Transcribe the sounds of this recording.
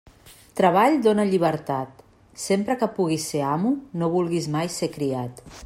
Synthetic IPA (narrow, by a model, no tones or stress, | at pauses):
t̪ɾəβ̞aʎd̪onəʎiβ̞əɾt̪at̪ | sempɾəkəpuɣiseamunoβ̞ulˠɣizmajsekɾiat̪